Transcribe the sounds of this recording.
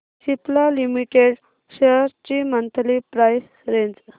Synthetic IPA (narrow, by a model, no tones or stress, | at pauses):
siplalimiʈeɽ | ɕeɾt͡ɕimənt̪ʰlipɾajs | ɾeɲd͡z